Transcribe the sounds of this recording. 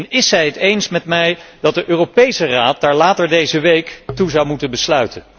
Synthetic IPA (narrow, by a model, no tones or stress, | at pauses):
nɪsɛjɦətejnsmɛtmɛjdɑt̚dəʔøːropejsəraːt̚d̥aːɹlaːtəɹdejzəʋejktuzɑwmutənbəslœɥtən